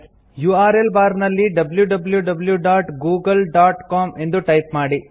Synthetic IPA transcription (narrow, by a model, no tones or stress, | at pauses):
juːaːɾelbaːɾnɐlːiɖɐbljuɖɐbljuɖɐbljuɖaːʈɡuːɡɐlɖaːʈkaːme̞nd̪uʈɐjp̚maːɽi